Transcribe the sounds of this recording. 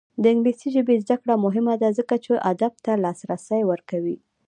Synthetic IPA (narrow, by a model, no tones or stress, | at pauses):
d̪əɪŋɡlisiʒəbezd̪akɽamʊɦɪmad̪azəkat͡ʃeʔad̪ab̚t̪alɑsɾasajwəɾkawi